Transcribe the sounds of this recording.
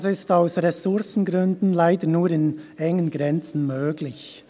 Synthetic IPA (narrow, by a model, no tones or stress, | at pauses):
sɪstaʊsʁɛsʊɾsn̩ɡʁʏndn̩laɪdənuːɾɪnɛŋənɡʁɛnt͡sn̩møːɡlɪç